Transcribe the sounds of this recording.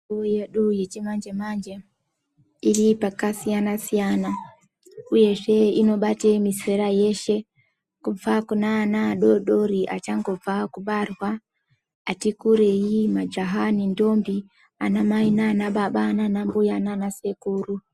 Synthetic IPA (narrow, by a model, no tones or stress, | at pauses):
ujeɗujet͡ʃemand͡ʒemand͡ʒe | ilipakasijanasijana | ujeʒeinoɓatemiseɾajeʃe | kuvakunanaɗoɗoɾiʔa̰t͡ʃaŋɡovakuɓarwa | atikuɾejimad͡ʒaɦanindombi | a̰namainanaɓaɓaːnanambujananasekuɾu